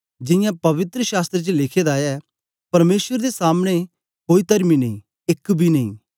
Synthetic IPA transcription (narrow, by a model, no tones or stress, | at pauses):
d͡ʒɪ̃jãːpɐʋɪt̪ɾəʃaːst̪ɾet͡ʃlɪkʰeːd̪aːɛː | pɐɾmeːsʋəɾd̪esaːmɽ̃e | koːit̪ɐɾminɐĩ | ɪkbʱiːnɐḭ̃ː